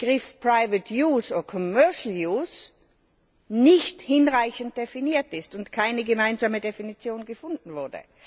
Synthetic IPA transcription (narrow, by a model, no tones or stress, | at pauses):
ɡ̥ʁɪfpʁ̥aɪvətʰjuːsoːdɐkʰɔmœɐʃl̩juːs | nɪçthɪnʁaɪçən̩t̚d̥efiniːɐtɪstʊntkʰaɪnəɡəmaɪnzaːmədefinit͡sjoːnɡəfʊndn̩vʊɐdə̰